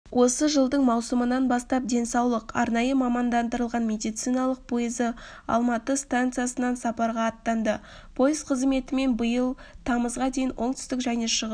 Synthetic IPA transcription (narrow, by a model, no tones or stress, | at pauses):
wʔo̞səʒəlˠd̪əɴmɑwsəmənɑnbɑst̪ɑp̚d̪e̞nsɑwlˠəqɑ̰ɾnɑjəmɑmɑnd̪ɑnd̪əɾəlˠʁɑnmʲe̞d̪ijt̪sijnɑlˠəq̚pʰo̞jɪzə | ɑ̰lˠmɑt̪əst̪ant̪sɨjasənɑnsɑpɑɾʁɑːt̪ːɑnd̪ə | pʰo̞jɪzqʰəzme̞t̪ɪme̞nbəjəlˠt̪ʰɑməzʁɑd̪e̞jɪnwʔo̞ɴt̪ʏ̥st̪ɪkʒæjneʃəʁə